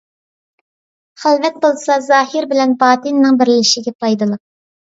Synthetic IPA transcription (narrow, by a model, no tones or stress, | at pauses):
χælvɛt̪̚bolˠsɑzɑːhɪɾbɪlɛnbɑːt̪ɨnːɪŋbɪɾlɪʃiɡʲɛpʰɑjd̪ɨlˠəq̚